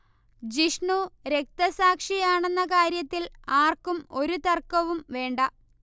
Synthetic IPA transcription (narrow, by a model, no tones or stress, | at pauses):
d͡ʑiʂɳuɾe̞k̚t̪ɐsaːkʂijaːɳe̞nːɐkaːɾjɐt̪ːilaːrkumo̞ɾut̪ɐrkɐʋumʋe̞ːɳɖɐ